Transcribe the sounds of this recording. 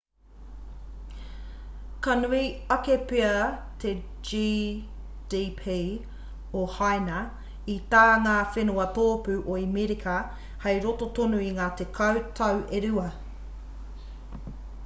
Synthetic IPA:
kɐnuiɐkepeɐt̪ʰe | d͡ʒi | d̥ipʰi | ohajnɐ | it̪aːŋaːfenuɐt̪oːpʉʔoimiɾikʰɐ | hɐjɾotot̪onuiŋaːt̪ekʰɐwt̪ʰɐwʔeɾʉɐ

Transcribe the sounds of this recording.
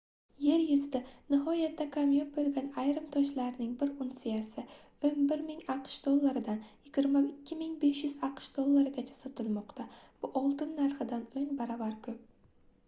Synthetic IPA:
je̞ɾjʊzd̪anɪɦɒjat̪ːakʰamjop̚bolˠɡʲanajɾɪmt̪ʰɒʃlaɾnɪŋbɪɾʊnsɪjasɪ | ɵnbɪɾmɪŋaqʃd̪̥olˠːaɾɪd̪anjɪɡʲɪɾmaɪkʲʰːɪmɪŋbe̞ʃjʊz̥ɑqʃd̪olˠːaɾɪɡʲat͡ʃʰḁsɒt̪ʰɪlmɒqt̪ʰab̥ʊʔɒlˠt̪ɪnːaɾχɨd̪anoŋbaɾavaɾkʲʰɵp̚

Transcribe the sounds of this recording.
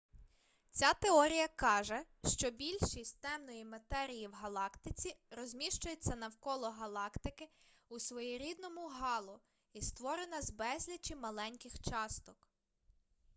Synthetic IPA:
t͡sʲat̪eɔɾʲijɐkɑʒɛ | ʃt͡ʃɔbʲilʲʃisʲtʲt̪ɛmnɔjimɐt̪ɛɾʲijiwɦɐlˠɑkt̪ɪt͡sʲiɾɔzʲmʲiʃt͡ʃʊjet͡sʲːɐnɐwkɔlˠɔɦɐlˠɑkt̪ɪkɪusʋɔjiɾʲid̪nɔmʊɦɑlˠʊ | ist̪ʋɔɾenɐzbɛsʲlʲɐt͡ʃimɐlˠɛnʲkɪxt͡ʃɑst̪ɔk

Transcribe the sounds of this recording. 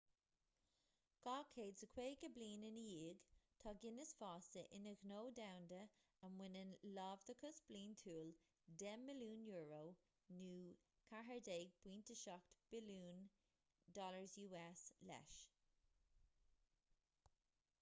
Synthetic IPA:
ɡ̥ɑːkʰeːdsəkʰweːɡəbliːnɪnəjiːɡt̪ʰɑːɡɪnəsfɑːsəʔɪnəɣnoːdawndə | əmwɪnənlɑːvd̪əkʰəsb̥liːntʰuːl | dɛmːɪluːnjuːɹoː | nuː | kʰaɦəɹdeːɡ̚b̥wiːntʰəʃɔktb̥ɪluːn | dɔləɹzjuːɛslɛ̰ʃ

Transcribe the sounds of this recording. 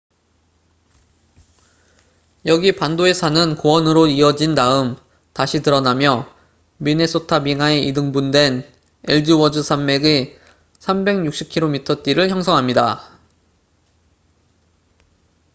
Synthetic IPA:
jʌɡipandoe̞sʰanɯnkowʌnɯɾoiʌd͡ʑinnaɯm | taɕʰitɯɾʌnamjʌ | mine̞s͈otʰabiŋae̞ʔidɯŋbundwe̞n | eɭd͡ʑiwʌd͡ʑɯsʰamːe̞ɡi | sʰambe̞ŋɲuk̚ɕ͈ip̚kʰiɾomitʰʌt͈iɾɯɭçjʌŋsʰʌŋɦamɲida

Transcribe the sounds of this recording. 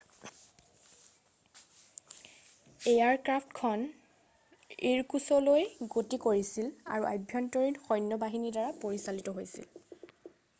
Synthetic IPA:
ejaɹkɹapʰtkʰɔn | iɹkusɔlojɡotikoɹisila̰ɹuʔa̰jbʱjɔntɔɹinxɔjnːɔbaɦinidaɹapoɹisalitɔɦojsḭl

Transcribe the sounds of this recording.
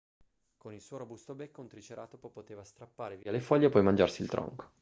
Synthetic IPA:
konilsuːoɾobust̪obekːount̪ɾit͡ʃeɾa̰ːt̪opopot̪eːvast̪ɾapːaːɾevialefɔʎːepːɔjmand͡ʒarsilt̪ɾʔɔ̰ŋko̥

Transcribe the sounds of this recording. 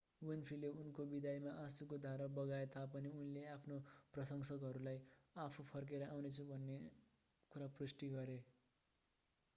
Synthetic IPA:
winpʰileunkobid̪ʱajmaʔasukod̪ʱaɾʌbʌɡaet̪apʌniunleapʰnoprʌsʌŋsʌkɦʌɾulajapʰupʰʌrk̬eɾʌʔawnet͡sʰubʱʌnːe | kuɾaprusʈiɡʌɾe

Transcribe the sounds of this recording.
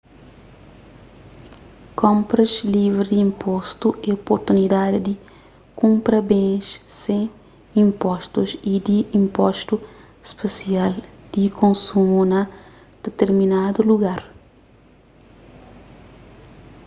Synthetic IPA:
kõmpɾɐzlivɾid̪iĩmpʰɔst̪uʔɛopoɾt̪unid̪ad̪id̪i | kũmpɾɐbẽʃsẽ | ĩmpɔʃt̪uzid̪iĩmpɔʃt̪u | spesiald̪̥ikõnsumunɐ | d̪̥et̪eɾminad̪uluɡaɾ

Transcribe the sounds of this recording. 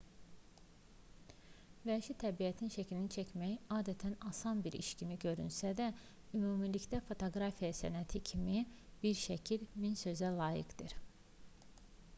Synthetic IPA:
væʃit̪ʰæbijæt̪ʰinʃæcʰilinit͡ʃʰæcʰmæjɑːd̪æt̪ʰænɑsɑnbiɾḭʃcʰimiɟø̞ɾy̰nsæd̪æ | ymuːmilicd̪æfo̞t̪ʰoɡɾɑfijɑsænæt̪ʰicʰimib̥iɾʃæcʰilminsø̞zælˠɑːjɯ̰kd̪ɯɾ

